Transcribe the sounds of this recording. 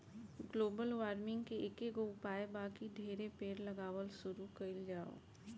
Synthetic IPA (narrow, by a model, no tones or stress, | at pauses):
ɡloːbəlʋaːɾmɪ̃ŋɡkeʔɪkeɡoʊpaːebaːkid̪ʱeːɾepeːɾlɐɡaːʋəlsʊɾukɐɪld͡ʒaːo̰ː